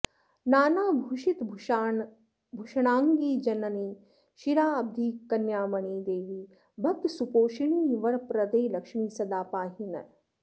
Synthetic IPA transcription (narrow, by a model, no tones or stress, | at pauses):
naːnaːbʱuʃit̪bʱ | bʱuʃɐɳ̃aːŋɡiːd͡ʒɐnɐniː | ʃiɾaːɐb̚d̪ʱiːkɐnjaːmɐɳiːd̪eːʋiː | bʱɐk̚t̪supoːʃiɳiːʋɐɾpɾɐd̪eːlɐkʂmiːsɐd̪aːpaːɦinɐ̰